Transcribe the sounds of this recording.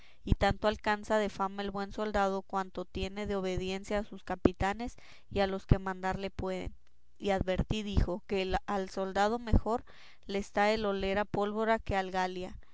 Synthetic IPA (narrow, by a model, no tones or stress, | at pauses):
it̪ant̪oalkansaðe̞famae̞lβwe̞nso̞ld̪aðo̞kwant̪o̞t̪je̞ne̞ðeo̞βe̞ðje̞nsjaːsuskapit̪ane̞s | ialo̞ske̞mãnd̪aɾle̞pwe̞ðḛn | iaðβe̞ɾt̪iðixo̞kealso̞ld̪að̞o̞me̞xo̞ɾ | lest̪ae̞lo̞le̞ɾapo̞lβo̞ɾake̞alɣalja